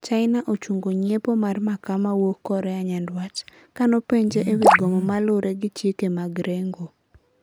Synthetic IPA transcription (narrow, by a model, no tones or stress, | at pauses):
t͡ʃaɪnaʔot͡ʃuŋɡoɲepomarmakamawokːɔɾɛaɲandwat͡ʃ | kanopeɲd͡ʒeʔewɪɡɔmɔmalʊɾʔeɡɪt͡ʃjekemaɡɾeŋɡo